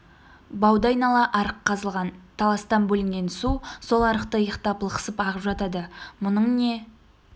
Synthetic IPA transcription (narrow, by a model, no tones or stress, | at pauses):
bɑwd̪ɑjnɑlˠɑʔɑɾəqʰːɑzəlˠʁɑnt̪ʰɑlˠɑst̪ɑnbɵlɪŋɡʲe̞nsuso̞lˠɑɾəqt̪əjəqt̪ɑplˠəqə̥səpɑʁəpʒɑt̪ɑd̪əmʊnəɴne̞